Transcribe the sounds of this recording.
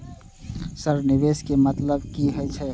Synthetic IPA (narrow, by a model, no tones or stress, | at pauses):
səɾnɪʋeskemət̪ləbkiɦojt͡ʃʰɛ